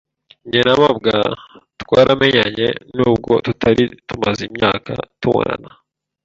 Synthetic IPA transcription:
ɲenamab̚ɡatwaːɾame̞ɲaɲḛnuːb̚ɡo̞̰tutʰaɾitumazimɲaːkatuwo̰na̰na

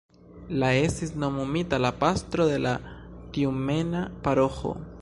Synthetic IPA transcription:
laesisnomumit̪alapast̪ɾoðe̞lat̪iumenapaɾoxo̰

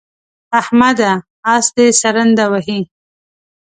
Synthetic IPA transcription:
ahmad̪aː | sd̪esaɾənd̪awaɦi

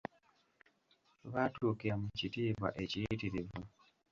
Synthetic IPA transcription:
βatʰukeamucitiːβa̰ʔecitiɾivu

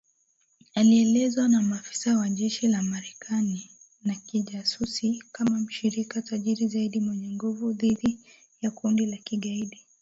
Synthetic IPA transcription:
aliɛlɛzwanamafi̥sawaʄɛʃilamaɾɛkʰani | nakiʄasusikamam̩ʃiɾikataʄiɾizaiɗimwɛɲɛŋɡuvuðiɗi | jakundilakiɠaiɗi

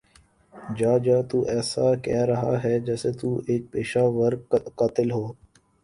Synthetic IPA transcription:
d͡ʒaːd͡ʒãːt̪uːʔɛːsaːkɛːɾəɦa̰ːɦɛːd͡ʒɛːseːt̪uːʔek̚peːʃaːʋəɾkaːt̪ɪlɦoː

